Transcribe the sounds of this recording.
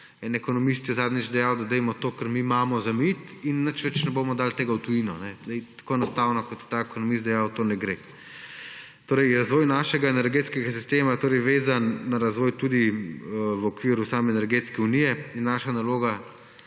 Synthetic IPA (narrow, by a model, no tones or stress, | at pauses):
ɛnɛkɔnɔmist̪jɛzaːd̪nid͡ʒd̪ɛjawd̪ad̪ɛjmɔt̪oːkɐɾmimaːmɔzamit̪inːət͡ʃʋɛt͡ʃnɛboːmɔd̪aːlt̪eːɡawt̪ujinɔnɛzd̪ɛjt̪ḁkoːɛnɔst̪awnɔkɔt̪jɛ̥t̪aːɛkɔnɔmist̪d̪ɛjawt̪oːnɛɡɾe | t̪oːɾɛjɾazʋɔːjnaːʃɛɡaenɛɾɡeːt̪skɛɡas̬i̥st̪eːmaɛt̪oːɾɛjʋeːzanːaɾazʋɔːjt̪uːd̪i | ʋɔkʋiɾusaːmɛːnɛɾɡet̪skɛunijɛinːaːʃanaloːɡa